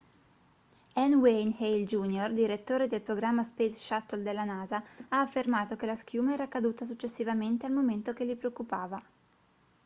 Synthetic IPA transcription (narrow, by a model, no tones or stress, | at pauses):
ɛnwejnhejld͡ʒuːnjord̪iɾet̪ːoːɾed̪elpɾoɡɾamːaspesʃat̪ːold̪elːanaːzaaːfːermaːt̪okelask̟juːmaɛːɾakad̪uːt̪as̬ut͡ʃːesːivament̪ealmoment̪ok̟elːipɾeokːupaːva